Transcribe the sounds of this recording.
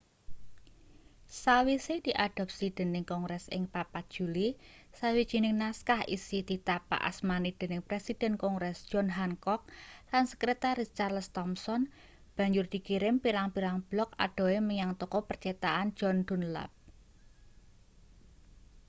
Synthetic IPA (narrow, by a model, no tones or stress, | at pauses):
sawised̪̥iʔaɖ̥ɔ̤p̚sid̪̥e̤nɪŋkɔŋɡɾɛsɪ̰ŋpapḁʒ̥ṳlisawid̥ʒ̥i̤nɪŋnaskahḭsit̪it̪apa̰ʔa̰smanid̪̥e̤nɪŋpɾesid̥ɛ̤nkɔŋɡɾɛsd̥ʒ̥ɔnɦaŋkɔk̚lansəkɾet̪aɾist͡ʃarlst̪ɔmsɔn | b̥a̤ɲd͡ʒʊrd̪̥i̤kiɾɪmpiɾaŋpiɾaŋb̥lɔk̚a̰ɖ̥ɔ̤eməɲaŋt̪ɔkɔpərt͡ʃet̪aʔan̥d͡ʒ̥ɔnd̪̥ṳnla̰p̚